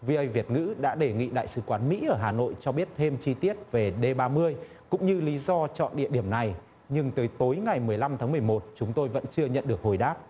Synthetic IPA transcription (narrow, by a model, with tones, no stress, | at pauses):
vi˧ʔə˧jvi˨˩ət̚ŋɨ̰˧˥ɗa̰ː˧˥ɗe˧˩ŋḭ˧˨ɗa̰ː˧˨jsɨ˧˩kwaː˨˦nmḭ˧˥ʔəː˧˩ɦaː˨˩no̰˧˨jt͡ɕɔ˧ɓi˦˥ət̚t̪ʰe˧mt͡ɕi˧t̪i˦˥ət̚ve˨˩ɗe˧ɓaː˧mɨ˧əj | kʊ̰˧˥ŋ͡mɲɨ˧li˨˦zɔ˧t͡ɕɔ̰˧˨nɗḭ˧˨əɗi˧˩əmna˨˩j | ɲɨ˧ŋt̪əː˨˦jt̪o˨˦jŋa˨˩jmɨ˨˩əjla˧mt̪ʰaː˨˦m˨˩əjmo˨˩t̚t͡ɕʊ˨˦ŋ͡mt̪o˧jvə̰˧˥nt͡ɕɨ˧əɲə̰˧˨nɗɨ˨˩ək̚ho˨˩jɗaː˦˥p̚